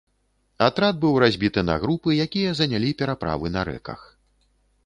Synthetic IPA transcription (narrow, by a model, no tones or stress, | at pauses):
at̪ɾad̪̚bɨwrazʲbʲit̪ɨnɐ̰ɣɾupɨjakʲijɐzɐnʲalʲipʲɛɾapɾa̰vɨnɐɾɛ̰kɐ̰x